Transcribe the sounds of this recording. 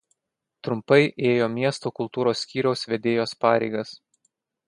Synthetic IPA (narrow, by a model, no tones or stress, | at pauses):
t̪ɾʊmpɐɪʔeːjoːmʲiɛst̪oːkʊlˠt̪uːɾoːsːʲkʲiːɾʲɛʊsʋʲɛd̪ʲeːjoːspɑːɾʲɛɪɡɐs